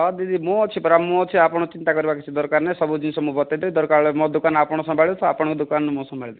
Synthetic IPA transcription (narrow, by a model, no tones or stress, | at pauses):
d̪id̪ʱimũt͡ʃʰipɔɾamũɔt͡ʃʰiapɔɽ̃ɔt͡ʃint̪akɔɾibakit͡ʃʰid̪ɔɾkaɾnesɔbud͡ʒinsɔmũbɔt̪ad̪ɔjd̪ɔɾkaɾɔɭemɔ̃d̪ukanapɔɽ̃ɔsɔ̃mbʱaɭt̪ʰɔapɔɽɔ̃kud̪ukannemũsɔ̃mbʱaɭid̪